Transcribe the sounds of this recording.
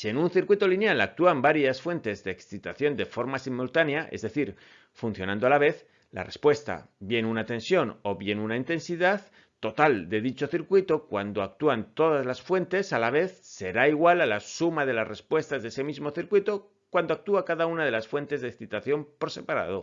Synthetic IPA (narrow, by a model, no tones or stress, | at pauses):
sie̞nũnθiɾkwit̪o̞linjalak̚t̪uambaɾjasfwe̞nt̪e̞zðe̞ːksθit̪aθjo̞nd̪e̞fo̞ɾmasimult̪aneaʔe̞̰zðe̞θiɾ | fun̟θjo̞nãnd̪oalaβe̞θ | la̰re̞spwe̞st̪a̰βje̞nunat̪e̞nsjo̞no̞βje̞nunaint̪e̞nsiðað | t̪ːo̞t̪ald̪e̞ðit͡ʃoθiɾkwit̪o̞kwand̪o̞ak̚t̪uant̪o̞ð̞azlasfwe̞nt̪e̞salaβe̞θse̞ɾaiɣwalalasumaðe̞lasre̞spwe̞st̪azðese̞mizmo̞θiɾkwit̪o̞ | kwand̪o̞ak̚t̪uakaðaunað̞e̞lasfwe̞nt̪e̞zðeksθit̪aθjo̞mpoɾse̞paɾa̰ð̞o̞